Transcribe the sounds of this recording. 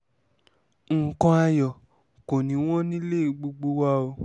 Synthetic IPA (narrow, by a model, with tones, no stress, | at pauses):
ŋ̩˨kɔ̃˧a˧jɔ˨ | ko˨nĩ˨˦w̃ɔ̃˦nĩ˦le˦i˧˨ɡ͡bo˧ɡ͡bo˧˦wa˦o˧